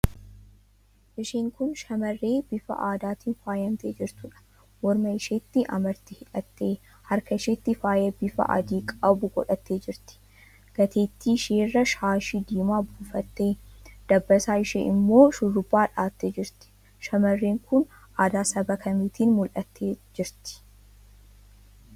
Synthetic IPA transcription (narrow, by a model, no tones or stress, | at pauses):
ʔɪʃeːŋkʊnʃɐmɐrːeːb̥ɪfɐ̰ʔaːd̪aːt̪iːnfaːjɐmnt̪eːd͡ʒɪɾt̪ʊᶑɐ̥ | wɔɾmɐɪʃeːt̪ːɪʔɐ̰mɐɾt̪ɪhɪᶑɐt̪ːeː | hɐɾkɐɪʃeːt̪ːɪfaːjeːbɪfɐ̰ʔa̰ːd̪iːkʼɐbʊɡɔᶑɐt̪ːeːd͡ʒɪɾt̪ɪ̥ | ɡ̥ɐt̪ʰeːt̪ːiʃeːrːɐʃaːʃid̪iːmaːbuːfɐt̪ːe̞ːd̪̥ɐbːɐsaːɪʃḛːʔɪmːo̞ːʃʊrːʊbːaːᶑaːt̪ːe̞ːd͡ʒɪɾt̪ɪ̥ | ʃɐmɐrːeːŋkʊn | ʔaːd̪aːsɐbɐkʰɐmiːt̪ʰiːnmʊlʔɐt̪ːeːd͡ʒɪɾt̪ɪ̥